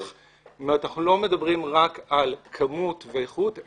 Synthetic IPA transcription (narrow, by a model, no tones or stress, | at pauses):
χ | manaχnulo̞me̞dabʁimʁakalkʰamutveeχut